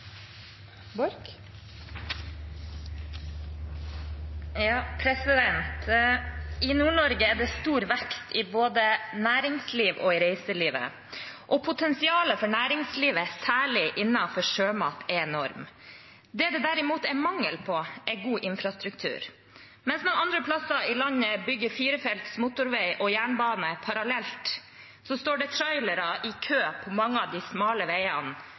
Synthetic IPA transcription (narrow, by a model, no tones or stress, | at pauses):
b | jɑːpʰɾɛsɪd̪ɛnt̪ | ɪnuːɳɔɾɡəɛɖ̪ɛst̪uːɾʋækt̪ʰɪboːd̪ənæːɾɪŋsliːʋʔɔɪɾeɪsəliːʋə̰ | ʔɔpʰʊt̪ʰɛnsɪɑːləfɔɳæːɾɪŋsliːʋəsæːɭɪʔɪnːɑfɔʂøːmɑːt̪ʰɛɛnɔɾm | d̪ɛd̪ɛd̪æɾɪmuːt̪ɛɪmɑŋːəlpʰɔɛɪɡuːʔɪnfɾɑst̪ɾʉkt̪ʰʉ̰ːɾ | mɛnsnɔɑnd̪ɾəpʰlɑsɑɪlɑɲəbʏɡːəɾfiːɾəfɛlt̪smʊt̪ʊɾʋɛɪʔɔjæːɳbɑːnəpʰɑɾɑlɛlt̪ | sɔst̪oːɖɛt̪ʰɾɔʏləɾɑʔɪkʰøːpʰɔmɑŋːəɑʋd̪ɪsmɑːləʋeɪɑ̰n